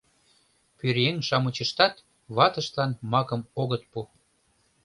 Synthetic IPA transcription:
pyɾjeŋʃɑmət͡ɕəʃt̪ɑt̪ | βɑt̪ə̆ʃt̪lɑnmɑkəmoɣət̪̚pu

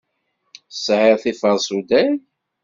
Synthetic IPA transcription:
sːʕeɾθifəðˤsud̪æl

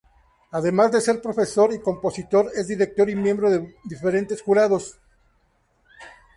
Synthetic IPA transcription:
aðe̞mazðe̞se̞ɾpɾo̞fe̞so̞ɾiko̞mpo̞sit̪o̞ɾe̞zðiɾek̚t̪o̞ɾimjẽ̞mbɾo̞ðeðife̞ɾe̞nt̪e̞sxuɾað̞o̞s

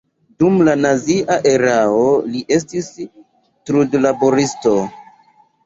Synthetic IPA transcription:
dumlanaziʔaʔe̞ɾaoliʔe̞s̬tis | tɾudlabo̞ɾisto̞

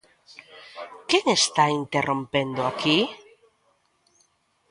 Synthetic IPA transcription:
keŋest̪aint̪erʔõmpend̪oaki

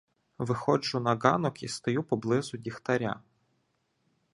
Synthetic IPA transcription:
ʋɪxɔd͡ʒʊnɐɡɑ̰nɔkist̪ɔjupɔblˠɪzʊdʲixt̪ɐɾʲa̰

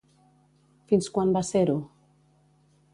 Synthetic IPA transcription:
finskwambaseɾu

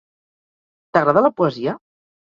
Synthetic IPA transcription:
t̪əɣɾaðaləpuəzia

